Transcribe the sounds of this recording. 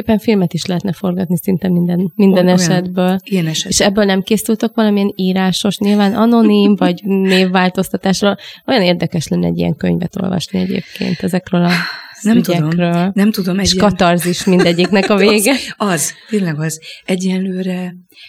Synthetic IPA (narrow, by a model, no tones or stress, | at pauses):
epːɛɱfilmɛt̪iʃlɛɦɛt̪nɛfo̞rɡɒt̪nisint̪ɛmind̪ɛnmind̪ɛnɛʃɛd̪bøːlijɛnɛʃeʃɛbːøːlnɛmkeːsylt̪økʋɒlɒmiɛniːɾaːʃo̞ʃɲilvaːnɒno̞nimvɒɟneːvːaːlt̪o̞st̪ɒt̪aːʃroːlo̞jɒneːrd̪ɛkɛʃlɛnːɛ̰ɟːḭɛ̰ŋkøɲvɛ̰t̪o̞̰lvɒ̰ʃniɛɟḛːp̚kḛːnt̪ɛzɛkrøːlɒnɛmyt̪ɟɛkrøːlnɛmt̪ud̪omɛʃkɒt̪ɒrziʃmind̪ɛɟːiknɛkɒveːɡɛɒzt̪eːnlɛɡɒzɛɟːɛnløːɾɛ